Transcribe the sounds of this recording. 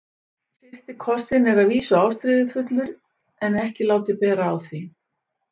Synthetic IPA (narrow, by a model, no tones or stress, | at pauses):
fɪr̥st̪ɪkʰɔsɪnɛɾaðviːsʏaːwst̪ɾɪðɪfʏt̪lʏɾ | ɛnɛhcɪlaːwt̪ɪpɛːɾaːwθi